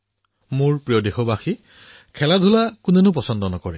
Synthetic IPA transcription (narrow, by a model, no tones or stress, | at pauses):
mʊɹpɹijɔdexɔbaxi | kʰɛladʱulakʊnɛnʊp̬ɔsɔndɔnɔkɔɹɛ